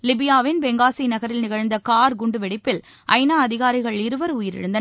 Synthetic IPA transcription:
lɪbɪjaːʋɪnbɛŋɡaːsinɐɣɐɾɪlnɪɣɐɻnd̪ɐkaːɾɡʊɳɖɯʋɛɽɪpːɪl | ʔɐ̰ɪnaːɐðɪɣaːɾɪɣɐɭɪɾɯʋɐɾʊjɪɾɪ̰ɽɯnd̪ɐ

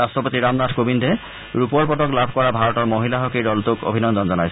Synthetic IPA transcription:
astʰɔpot̪iɹamnadʰʱkobindʱɛ | ɹupɔɹpɔtɔklabʱkɔɹabʱaɹɔtɔɹmoɦilaɦɔkidɔlt̪uko̰bʱinɔnd̪ɔnzɔnajsʰ

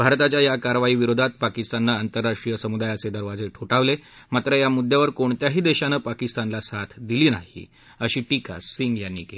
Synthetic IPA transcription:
bʱaɾt̪at͡ɕjajakaɾʋaiːʋiɾod̪ʱat̪̚pakist̪anːaːnt̪əɾːaʂʈɾijəsəmud̪ajased̪əɾʋad͡zeʈʰoʈaʋle | mat̪ɾəjamud̪ʱːjaʋəɾkoɳt̪jaɦiːd̪eɕanəpakist̪anlasat̪ʰd̪iliːnaɦḭ | əɕiːʈika̰siŋɡjanːiːke

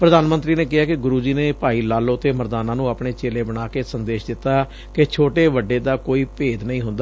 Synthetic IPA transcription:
pɾəd̪aːnmə̃nt̪ɾiːneːkɪɦaːkɪɡʊɾuːd͡ʒiːneːpaːiːlaːlõːt̪eːməɾd̪aːnãːnũːaːpɳeːt͡ʃeːleːbəɽ̃aːkeːsənd̪eːʃd̪ɪt̪ːaː | ket͡ʃʰoːʈeːʋəɖeːd̪aːkoːiːpeːd̪nəĩːɦʊ̃nd̪aː

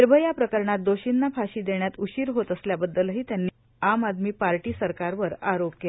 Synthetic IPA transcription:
ɾbʱəjapɾəkəɾɳat̪̚d̪oɕinːapʰaɕiːd̪eɳjat̪uɕiːɾɦot̪əsljabəd̪ːəlɦiːt̪janːiː | amad̪miːpaɾʈiːsəɾkaɾʋəɾaɾop̚ke

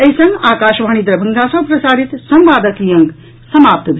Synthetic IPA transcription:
ɐjsɐ̃ŋɡaːkaːʃʋaːñid̪ɾɐbʱɐ̃ŋɡasɐ̃pɾɐsaːɾit̪sɐ̃mʋaːd̪ɐkijɐ̃ŋɡ | sɐmaːp̚t̪bʱ

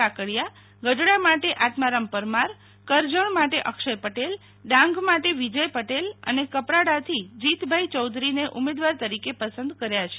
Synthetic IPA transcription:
akəɭja | ɡəɖɽamaʈeʔat̪maɾəmpəɾmaɾ | kəɾd͡ʒəɳmaʈeʔəkʃəjpəʈel | ɖãŋɡmaʈeʋid͡ʒəjpəʈelə̰nekəpɾaɽat̪ʰid͡ʒit̪bʱajt͡ʃɔwd̪ɾineʔumed̪ʋaɾt̪əɾikepəsə̃nd̪kəɾjat͡ʃʰe̥

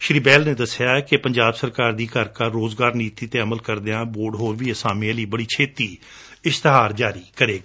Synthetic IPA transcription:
ʃɾiːbɛːlneːd̪əsɪjaːkepəɲd͡ʒaːbsəɾkaːɾd̪iːkəɾkaːoːzɡaːɾniːt̪iːt̪eːəməlkəɾd̪eãːboːɖɦoːɾʋiːəsaːmeãːliːbəɽiːt͡ʃʰeːt̪iː | ɪst̪əɦaːɾd͡ʒaːɾiːkəɾeːɡa

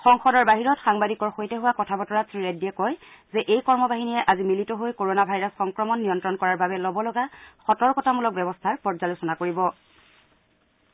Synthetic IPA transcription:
xɔŋxɔdɔɹbaɦiɹɔtxaŋbadikɔɹxojtɛɦuwakɔtʰabɔtɔɹatʰɹiɹajdiɛkɔj | zɛʔejkɔɹmɔbaɦinijɛʔazimilitɔɦojkoɹonabʱajɹasxɔŋkɹɔmɔnːiɔntɹɔnkɔɹaɹbabɛlɔbɔlɔɡaxɔtɔɹkɔtʰamulɔk̚bɛbɔstʰaɹpɔɹzalosɔnakoɹibɔ

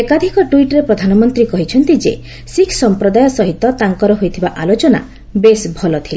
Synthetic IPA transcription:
ekad̪ʱikɔʈuiʈɔɾepɾɔd̪ʱanɔmɔnt̪ɾikɔɦit͡ʃʰɔnt̪id͡ʒḛ | sikʰsɔmpɾɔd̪ajɔsɔɦit̪ːɔt̪aŋkɔɾɔɦojt̪ʰibaʔalot͡ʃɔna̰ | besbʱɔlɔt̪ʰile

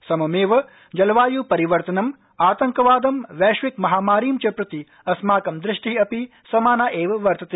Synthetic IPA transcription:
sɐmɐmeːʋɐ | d͡ʒɐlʋaːjupɐɾiʋɐɾt̪ɐnɐm | aːt̪ɐŋkɐʋaːd̪ɐmʋɛːʃʋikmɐɦaːmaːɾiːmt͡ʃɐpɾɐt̪i | ɐsmaːkɐmd̪ɾɪʂʈiɐpi | sɐmaːnaːʔeːʋɐʋɐɾt̪ɐt̪e

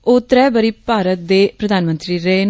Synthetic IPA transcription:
oːt̪ɾɛːbəɾiːpaːɾət̪̚d̪eːpɾəd̪ʱaːnmə̃nt̪ɾiːɾen

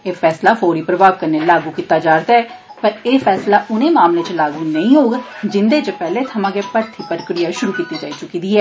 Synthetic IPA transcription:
eːfʰɛːslaːfʰoːɾiːpɾəbaːʋkəɾneːlaːɡuːkiːt̪ːaːd͡ʒaːɾd̪aːɛːpəɾeːfʰɛːslaːʔʊnẽːmaːmleːt͡ʃlaːɡuːnəĩːɦoːɡd͡ʒɪnd̪eːt͡ʃəpɛːleːt̪ʰəmãːɡeːpəɾt̪ʰiːpəɾəkɾijaːʃʊɾuːkiːt̪ːiːd͡ʒaːiːt͡ʃʊkiːd̪iːɛː

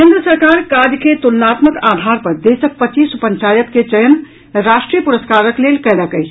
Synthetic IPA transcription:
kẽnd̪ɾəsəɾkaːɾkaɾjəket̪ulnaːt̪məkaːd̪ʱaːɾpɐɾd̪eːsək̚pət͡ʃiːsupəɲt͡ʃaːjək̪ket͡ʃəjən | ɾaːʃʈɾijəpuɾəskaːɾəkleːlkələkəi

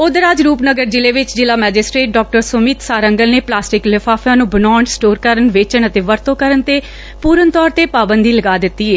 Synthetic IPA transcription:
ʊd̪əɾaːd͡ʒɾuːpnəɡəɾd͡ʒɪleːʋɪt͡ʃd͡ʒɪlaːmɛːd͡ʒɪsʈɾeːʈ̚ɖɔːk̚ʈəɾsʊmiːt̪saːɾəŋɡəlneːplaːsʈɪklɪpʰaːpʰjãːnũːbənɔːɳsʈoːɾkəɾənʋeːt͡ʃəɳət̪eːʋəɾt̪õːkəɾəɳt̪eː | puːɾənt̪ɔːɾt̪eːpaːbənd̪iːləɡaːd̪ɪt̪ːiːeː

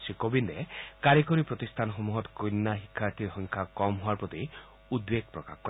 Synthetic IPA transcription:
sikobind̪ekaɾikoɾipɾɔt̪ist̪ʰanɦomuɦɔt̪kojnːaɦikʰːaɾt̪ʰiɾɦɔŋkʰakɔmɦuaɾpɾɔt̪i | ud̪beɡ̚pɾɔka̰kkɔ

